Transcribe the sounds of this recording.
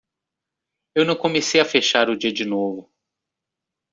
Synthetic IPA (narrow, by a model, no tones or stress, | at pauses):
ewnɐ̃w̃kõmesejɐfeʃaɾʊd͡ʒiɐd͡ʒɪnovʊ